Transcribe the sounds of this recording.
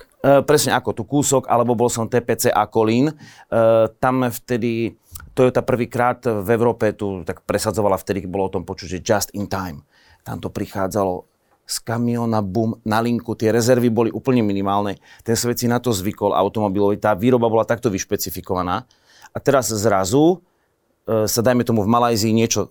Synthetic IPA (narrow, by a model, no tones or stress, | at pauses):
pɾɛsɲɛakɔt̪ukuːsɔɡa̰lɛbɔbɔlsɔmt̪ɛːpɛːt͡sɛːʔakɔlin | t̪amft̪ɛd̪i | t̪ɔjɔt̪aːpr̩ʋiːkɾaːt̪vɛʊɾɔːpɛt̪ut̪akpɾɛsad͡zɔʋalaft̪ɛd̪ibɔlɔɔt̪ɔmpɔt͡ʃucʒɛd͡ʒast̪int̪ajm | t̪a̰mt̪ɔpɾixaːd͡zalɔ | skamiɔnabuːmnaliŋkut̪ɪɛɾɛzɛɾʋibɔliʔuːpl̩ɲɛminimaːlnɛt̪ɛnsʋɛt̪t͡sinat̪ɔzʋikɔla̰ʊt̪ɔmɔbilɔʋit̪aːʋiːɾɔbabɔlat̪ak̚t̪ɔʋiʃpɛt͡sifikɔʋanaː | ʔat̪ɛɾazzɾazu | sad̪ajmɛt̪ɔmuvmalajziːɲɪɛt͡ʃɔ